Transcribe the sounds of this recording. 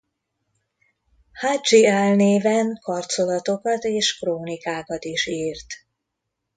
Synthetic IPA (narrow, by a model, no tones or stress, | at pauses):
had͡ʒialneːvɛŋkɒrtso̞lɒt̪o̞kɒt̪eːʃkroːnikaːkɒt̪iʃiːrt̪